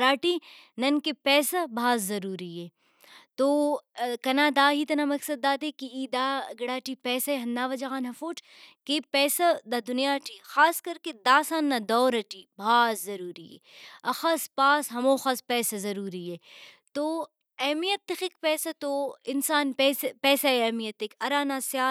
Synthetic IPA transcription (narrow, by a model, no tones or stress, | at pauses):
ɾaːʈiː | nɐnkepɛːsɐbʱaːzːɐɾuːɾiɦeː | t̪oːkɐnaːd̪aːɦit̪ɐnamɐksɐd̪ːaːt̪ekiiːd̪aːɡɐɽaːʈipɛːsɐeɦɐnd̪aːʋɐd͡ʒɐɣaːnɦɐfoːʈʰ | kepɛːsɐd̪ad̪ʊnijaːʈixaːskɐɾked̪aːsaːnːad̪oːɾɐʈiːbʱaːzzɐɾuːɾiḛ | ɐxɐspaːsɦɐmoːxɐspɛːsɐzɐɾuːɾiɦɛːt̪oː | ɛːmijɐt̪ːɪxekpɛːsɐt̪oːɪnsaːnpɛːsepɛːsɐeɛːmijɐt̪ːekɐɾaːnaːsjaː